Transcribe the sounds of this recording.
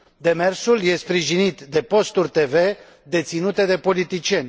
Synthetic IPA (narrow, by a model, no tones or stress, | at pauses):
d̪e̞me̞rsulje̞spɾiʒinit̪d̪e̞po̞st̪urʲt̪e̞ve̞ | d̪e̞t̪sinut̪ed̪e̞po̞lit̪it͡ʃie̞nʲ